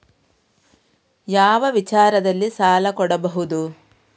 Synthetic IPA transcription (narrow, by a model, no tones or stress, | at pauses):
jaːʋɐʋit͡ʃaːɾɐd̪ɐlːisaːlɐkɔɽɐbɐɦud̪u